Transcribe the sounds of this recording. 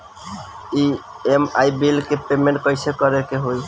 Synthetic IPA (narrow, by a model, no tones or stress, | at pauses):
i | emaibilkepemẽɳʈ̚kəɪsekəɾekeɦoj